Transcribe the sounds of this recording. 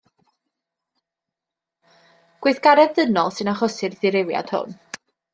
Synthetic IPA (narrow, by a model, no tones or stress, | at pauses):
ɡ̥wɪɨθɡ̥aɾɛðənɔlˠsɨnaχɔsɨrðɪɾewja̰d̥hʊ̰n